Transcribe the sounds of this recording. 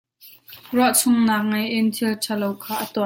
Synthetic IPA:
ruɐʔt͡sʰʊŋnaːk̚ŋɐjʔɪnt̪ʰɪlt͡sʰalowkʰaːʔɐt̪ɔ

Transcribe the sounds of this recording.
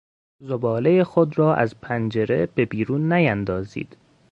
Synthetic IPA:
zobɒːle̞jexod̪rɒːʔæ̰zpʰænd͡ʒe̞ɾe̞̰b̥e̞biːɾuːnːæjænd̪ɒːzḭːd̪̥

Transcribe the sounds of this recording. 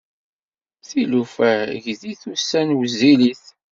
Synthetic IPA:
θilufæʝðiθusːænwəzːiliθ

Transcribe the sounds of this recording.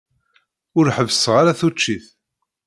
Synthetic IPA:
ʊɾħəvsʁaɾaθut͡ʃːiθ

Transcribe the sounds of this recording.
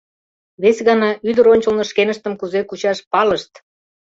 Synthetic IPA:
βesʲɣɑnɑyd̪əɾonʲt͡ɕə̆lnŏʃkenə̆ʃt̪ə̆mkuzekut͡ɕɑʃpɑləʃt̪

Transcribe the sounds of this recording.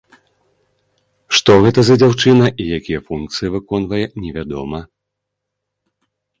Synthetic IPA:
ʂt̪ɔɣɛt̪ɐzɐd͡zʲawt͡ʂɨnɐʔijakʲijɐfunk̚t̪sɨjivɨkɔnvɐjɛnʲɛvʲad̪ɔ̰mɐ

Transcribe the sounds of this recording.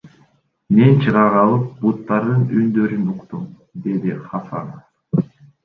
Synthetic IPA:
me̞nt͡ʃʰɯʁɑʁɑlˠɯp̚but̪ːɑɾd̪ɯnynd̪ø̞ɾynuqt̪um | d̪e̞d̪iχɑfɑ̰na

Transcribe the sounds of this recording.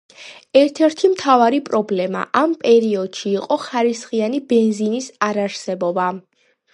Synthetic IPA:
ɛɾt̪ʰɛɾt̪ʰimt̪ʰavaɾipʼɾɔblɛma̰ʔampʼɛɾiɔd̪̥ʃiːqʼɔχaɾisχianibɛnzinisaɾaɾsɛbɔba

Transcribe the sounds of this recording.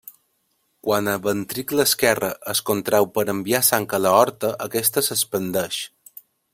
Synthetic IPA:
kwanəβənt̪ɾikləskɛrəʔəskont̪ɾɛwpəɾəmbiasaŋkələɔɾt̪əʔəkɛst̪əsəspənd̪əʃ

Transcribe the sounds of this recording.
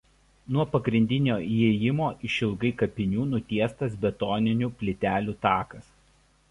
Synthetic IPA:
nuɔpɐɡɾʲɪnʲd̪ʲɪnʲoːieːjɪmoːʔɪʃʲɪlˠɡɐɪkɐpʲɪnʲuːnʊt̪ʲiɛst̪ɐsbʲɛt̪ɔnʲɪnʲuːˑpʲlʲɪt̪ʲæːlʲuːt̪ɑːkɐs

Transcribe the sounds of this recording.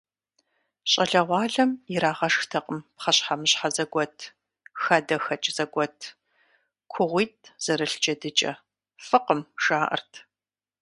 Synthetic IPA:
ɕʼɐɮɐʁʷɑːɮɐmjɪɾaːʁɐʂxtʰɐqʼəmpχɐɕħamɨɕħazɐɡʷɔtʰ | xɐdɐxɐt͡ʃʼz̥ɐɡʷɔtʰ | kʷʰʊʁʷiːt̚ʰʼz̥ɐɾɨɬt͡ʃɐdɨt͡ʃʼɐ̰ | fɨqəmʂaːʔɐ̰rtʰ

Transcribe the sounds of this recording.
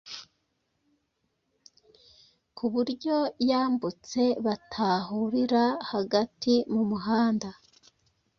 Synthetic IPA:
kʰuβuɾɟo̞jaːmbut͡se̞βatʰaːhuɾiɾahaɡatʰimumuɦaːnda

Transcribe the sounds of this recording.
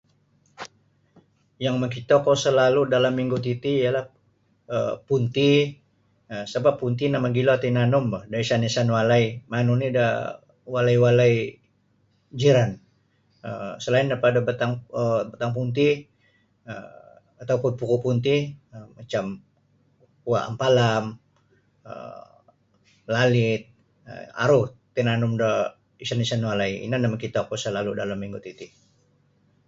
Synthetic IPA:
jaŋməŋkit̪okosəlaludalamːiŋɡut̪it̪iːjalah | əpunt̪i | əsəbappːunt̪inamaɡiloat̪inanʊmbahdaisanesanwalaimanunida | walaiwalai | d͡ʒəɾan | ə̰msəlaɪndapadabət̪aŋəbət̪aŋp̬unt̪ih | ə | at̪awpʊnpukʊʔpunt̪iəmat͡ʃam | ua̰ʔa̰mpalam | ə̰ | lalɪt̪̚ | ə̰a̰ɾʊht̪inanʊmdɔ | isanisanwalaiḭnanamakit̪akusəlaludalamːiŋɡut̪it̪i

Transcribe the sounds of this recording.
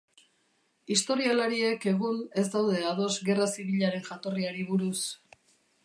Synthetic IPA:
ist̪o̞ɾialaɾie̞ke̞ɣ̞une̞zd̪awðe̞að̞o̞zɡe̞rasiβiʎaɾe̞nʝat̪o̞riaɾiβuɾus

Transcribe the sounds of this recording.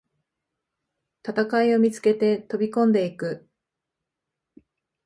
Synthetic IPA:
t̪at̪akaio̞mʲit͡sɨ̥ke̞t̪e̞t̪o̞bʲikõ̞nd̪e̞ikɯ̟

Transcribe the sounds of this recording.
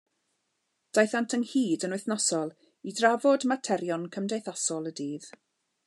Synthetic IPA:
d̥ajθantʰənhiːdənwɨθnɔsɔlˠ | idravɔdmatʰɛɾjɔnkʰəmdejθasɔlˠədiːð

